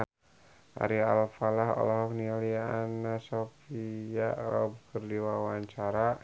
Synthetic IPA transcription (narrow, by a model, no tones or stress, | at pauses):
ʔa̰ɾia̰lfalaɦɔ̰lɔɦɔknialiaanasofijaɾaub̚kərdiwawaɲt͡ʃaɾa